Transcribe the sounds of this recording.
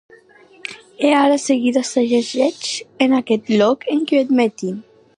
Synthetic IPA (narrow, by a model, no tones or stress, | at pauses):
eaɾaseɣiðast̪aʒezɛt͡ʃenakɛt̪lɔkeŋkied̪met̪i